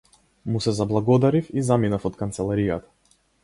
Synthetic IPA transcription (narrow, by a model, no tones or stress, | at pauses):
musɛzablˠaɡɔd̪aɾifizaminafɔt̪kant̪sɛlˠaɾijat̪ḁ